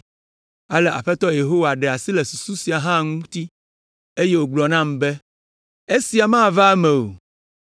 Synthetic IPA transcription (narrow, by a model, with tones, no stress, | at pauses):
a˦lɛ˨ʔa̰˨ɸɛ˦t̪ɔ˦je˨ɦo˦wa˨ɖɛ˨a˨si˦le˨su˨su˦si˨a˨ɦã˦˨ŋũ˦t̪i˦ | e˦je˦wo˨ɡ͡blɔ˨nã˦˨mbɛ˦ | e˦si˨a˨mã˦˨va˦mɛ̃˨o̰˨